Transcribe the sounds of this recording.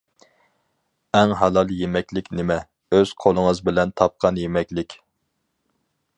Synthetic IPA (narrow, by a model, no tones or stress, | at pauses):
ɛŋɦɑlˠɑlˠjemɛkʲlɪkʲnɪmɛ | øz̥qʰolˠəŋəzbɪlɛnt̪ʰɑp̚qʰɑnjemɛkʲlɪkʲ